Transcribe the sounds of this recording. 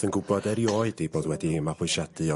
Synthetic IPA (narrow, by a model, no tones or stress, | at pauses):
ənɡʊbɔdɛɾjoːɨdiboːdwɛdimapʊɨʃad̥ɨɔ